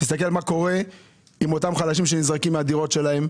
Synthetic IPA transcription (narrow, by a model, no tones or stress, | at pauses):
t̪is̬t̪ak̬elmako̞ʁe̞ | imo̞t̪amχalaʃ̬imʃenizʁakimːead̪iʁo̞tʃe̞laɦe̞m